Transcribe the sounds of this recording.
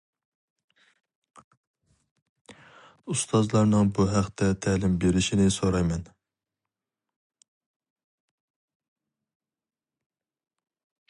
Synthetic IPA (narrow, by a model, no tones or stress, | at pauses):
ust̪ʰɑzlˠɑɾnɨŋbuɦæqt̪ʰɛt̪ʰɛlɪmbeɾɪʃinɪsoɾɑjmɛn